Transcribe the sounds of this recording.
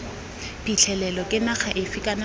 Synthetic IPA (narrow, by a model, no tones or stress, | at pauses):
pʰʼit͡ɬʰɛlɛlɔkʼɪnaχaʔɪfikʼana